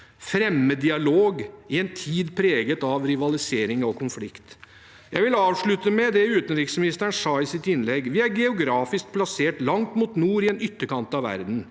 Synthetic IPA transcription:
fɾɛmːəd̪ɪɑloːɡɪɛnt̪ʰiːd̪pʰɾeːɡət̪ɑʋɾɪʋɑlɪseːɾɪŋɔkʰʊnflɪkt̪ | jæɪʋɪlɑːʋʂɭʉt̪əmɛd̪ɛʉːt̪ənɾɪksmɪnɪst̪əɳʂɑːɪsɪt̪ɪnlɛɡːʋɪæɾɡɛʊɡɾɑːfɪsk̚pʰlɑseːʈlɑŋt̪muːt̪nuːɾɪɛːnʏt̪ːəkɑnt̪ɑʋʋæ̰ɾd̪n̩

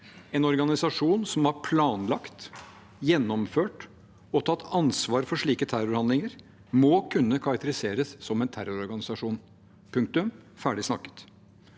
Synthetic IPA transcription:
ɛnɔɾɡɑnɪsɑʂuːnsɔmhɑɾpʰlɑːnlɑkt̪ | jɛnːɔmføːʈ | ɔt̪ʰɑt̪ːɑnsʋɑːɾfɔʂɭiːkət̪ʰæɾʊɾhɑnd̪lɪŋəɾ | mɔkʰʉnːəkʰɑɾɑkt̪əɾɪseːɾəsːɔmɛnt̪ʰæɾʊɾɔɾɡɑnɪsɑʂuːn | pʰʉŋk̚t̪ʉm | fæːɖɪsnɑkːə̥t̪

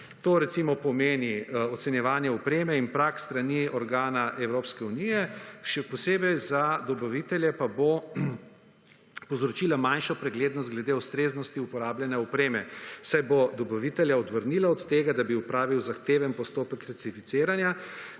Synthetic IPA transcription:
t̪oːɾɛt̪simɔpɔmeːniɔt̪sɛnjɛʋaːnjɛɔpɾeːmɛinpɾakst̪ɾaniɔɾɡaːnaʔɛwɾoːpskɛunijɛʃɛpɔseːbɛjzad̪ɔbaʋit̪ɛljɛpabo | pɔwzɾɔt͡ʃilamanʃɔpɾɛɡleːd̪nɔst̪ɡlɛd̪eːuwst̪ɾeːznɔst̪iupɔɾaːbljɛnjɛupɾeːmɛsajbod̪ɔbaʋit̪ɛljaɔd̪ʋəɾnilaɔt̪t̪eːɡad̪abiupɾaːʋiwzaxt̪eːʋɛnpɔst̪oːpəkɾasifit̪seːɾanja

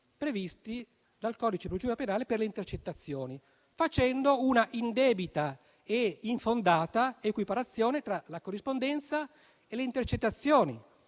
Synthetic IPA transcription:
pɾevist̪i | d̪alkɔːd̪it͡ʃepɾod͡ʒuːɾapenaːleperleint̪ert͡ʃet̪ːat̪sːjoːni | fat͡ʃɛnd̪ounaʔind̪ɛːbit̪a | eiɱfond̪aːt̪aekwipaɾat̪sːjɔːnet̪ɾalakorːispond̪ɛnt̪sa | eleint̪ert͡ʃet̪ːat̪sːjoːnḭ

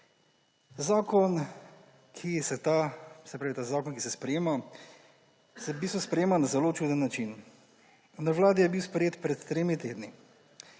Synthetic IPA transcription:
zaːkɔn | kʰisɛt̪asɛpɾaːʋit̪aːzaːkɔnkisɛspɾɛjeːma | sɛbiːst̪ʋɔspɾɛjeːmanazɛloːt͡ʃuːd̪ənːat͡ʃin | naʋlaːd̪ijɛbiwspɾɛjeːt̪pɾɛt̪ːɾeːmit̪eːd̪ni

